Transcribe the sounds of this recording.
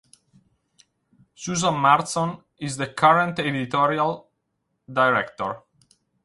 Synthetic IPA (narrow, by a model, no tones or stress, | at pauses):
suzɔ̃nmaɹtsɔ̃n | izðəkʰaɹə̃nt̪ɛdit̪ɔɹial | d̪ajɹɛkt̪ɔɹ